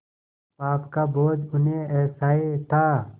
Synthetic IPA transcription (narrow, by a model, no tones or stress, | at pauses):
paːpkaboːd͡ʒʊnɦẽɛːsaːet̪ʰaː